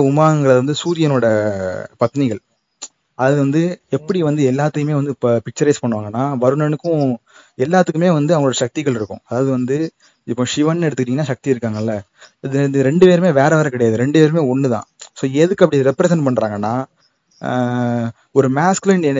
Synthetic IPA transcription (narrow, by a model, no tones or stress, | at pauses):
ʊmaːɣɐŋɡɐɭɐðɐʋɐnd̪ɯsuːðɪjɐnoːɽɐpɐt̪ːnɪɣɐɭ | ɐðaːðɯʋɐnd̪ɯɛpːɐɽiʋɐnd̪ɯɛlːaːt̪ːɯkɯmeːʋɐnd̪ɯppɪk̚t͡ʃːɐɾɐɪspɐɳːɯʋaːŋɡɐnːaːʋɐɾɯnɐnɯkːʊ̃ | ɛlːaːt̪ːɯkːɯmeːʋɐnd̪ɯɐʋɐŋɡɐɭoːɽɐʃɐk̚t̪ɪɣɐɭɪɾɯkːʊ̰̃ɐðaːʋɐðɯʋɐnd̪ɯ | ɪpːõːʂɪʋɐnːɛɽɯt̪ɯkːɪʈiːŋɐnːaːʃɐk̚t̪iɪɾɯkːaːŋɡɐɪlːɐ | ɪðɯɯɾɛɳɖɯpeːɾɯmeːʋeːɾɐʋaːɾɐ̃kɪɽɐjaːðɯɾɛɳɖɯpeːɾɯmeːɔɳːɯt̪ã̰ːsoːɛðɯkːɐpːɐɽiɾɛpːɾɛsɛɳʈ̚pɐɳːɾaːŋɡɐnːaː | ɔɾɯmaːskɪlɐn